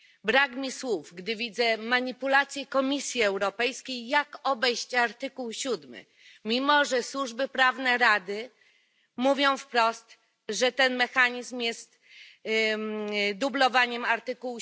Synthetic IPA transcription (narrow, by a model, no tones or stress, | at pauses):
bɾakmʲiswufɡd̪ɘvʲid̪zɛmaɲipulat̪sʲjɛkɔmʲisʲjiɛwɾɔpɛjskʲejːakɔbɛjɕt͡ɕaɾt̪ɘkuwɕud̪mɘ̰ | mʲimɔʐɛswuʐbɘpɾavnɛɾad̪ɘ | muvʲjɔ̃w̃fpɾɔst̪ | ʐɛt̪ɛnmɛxaɲizmjɛst̪ | d̪ublɔvaɲɛmaɾt̪ɘkuw